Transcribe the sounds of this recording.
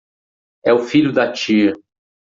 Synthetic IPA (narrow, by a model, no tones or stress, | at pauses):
ɛʊfiʎʊd̪ɐt͡ʃiɐ